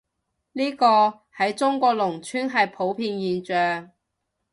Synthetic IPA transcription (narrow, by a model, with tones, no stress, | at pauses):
liː˥kɔː˧ | hɐ˨˥jt͡sʊ˥ŋkʷɔː˧k̚lʊ˨˩ŋt͡ʃʰyː˥nɦɐ˨jpʰo˨˥wpʰiː˧njiː˨nt͡ʃœː˨ŋ